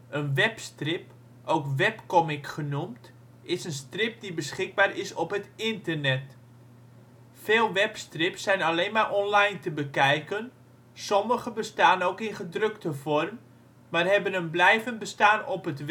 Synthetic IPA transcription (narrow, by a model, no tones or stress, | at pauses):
ənʋɛpstrɪp | ʔowkʋɛpkɔmɪkχənumt | ɪsənstrɪp̚dibəsχɪɡ̚baːrɪsɔpɦətɪntərnɛt | feːlˠʋɛpstrɪpsɛjnaleːnmaʔɔnlajntəbəkɛjkən | sɔməɣəbəstaːnowkɪnχədrɵktəvɔrm | marɦɛbənənblɛjvəntbəstaːnɔpɦətʋ